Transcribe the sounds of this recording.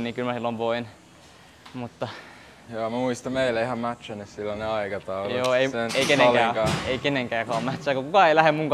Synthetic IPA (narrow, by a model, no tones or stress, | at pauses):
nniːŋkylmæsilːomʋoin | mut̪ːɑ | joːmæmuist̪ɑmmeilæihɑmmæt̪sænessilːɑneɑikɑt̪ɑuljoːeieneikenẽŋlæːkɑːeikeneŋkæːkɑːmmæt̪sæˑkokukɑeilæhemuŋk